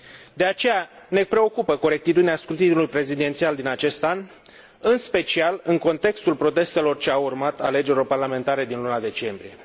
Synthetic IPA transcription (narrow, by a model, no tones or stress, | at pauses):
d̪e̞at͡ʃe̞jane̞pɾe̞o̞kupəko̞ɾe̞k̚t̪it̪ud̪ineaskɾut̪inulujpɾe̞zid̪e̞nt̪siald̪inat͡ʃe̞st̪an | ɨnspe̞t͡ʃialɨŋko̞nt̪e̞kst̪ulpɾo̞t̪e̞st̪e̞lo̞rt͡ʃe̞aurmat̪ale̞d͡ʒe̞ɾio̞rparlame̞nt̪aɾe̞d̪inlunad̪e̞t͡ʃe̞mbɾije̞